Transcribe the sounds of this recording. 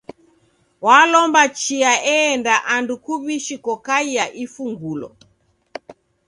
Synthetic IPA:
walɔmbat͡ʃiaɛːndaʔandukuβiʃikɔkaijaʔifuŋɡulɔ̰

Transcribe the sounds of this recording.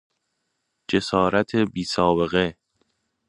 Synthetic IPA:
d͡ʒe̞sɒːɾæt̪ʰebiːsɒːbe̞ɣe

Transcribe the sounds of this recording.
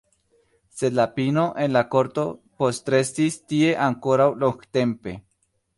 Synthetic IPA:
selapinoʔenlakoɾt̪opost̪ɾe̞sist̪ie̞ʔaŋkoɾawloŋɡt̪e̞mpe̞

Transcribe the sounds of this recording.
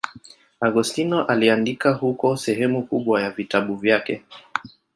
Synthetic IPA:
aɡustinɔʔaliandikahukɔsɛɦɛmukuɓwajavitaɓuvjakɛ

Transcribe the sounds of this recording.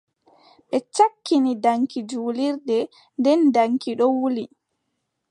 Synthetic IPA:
ɓɛt͡ʃakːinidaŋkid͡ʒuːliɾdɛ | ndɛndaŋkiɗɔwuli

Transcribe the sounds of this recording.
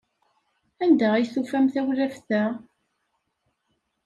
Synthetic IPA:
ænd̪æʁijθufæmθæwlæfθæ

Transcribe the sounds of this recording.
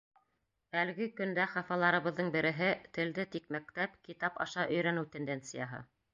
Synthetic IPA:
æl̆ɡɘkɵ̆nd̪æχɑfɑlˠɑɾɤ̆βɤ̆ðːɤɴbɘ̆ɾɘ̆ɦɘt̪ɘ̆ld̪ɘt̪ik̚mæk̚t̪æpkit̪ɑpɑ̰ʃɑʔɵ̆jɾænɘt̪end̪ent̪sɨjɑɦɤ̰

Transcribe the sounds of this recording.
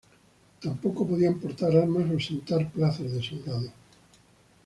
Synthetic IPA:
t̪ampokopoðiampoɾt̪aɾalmasowsẽnt̪aɾplaθazðeseŋɡaðo

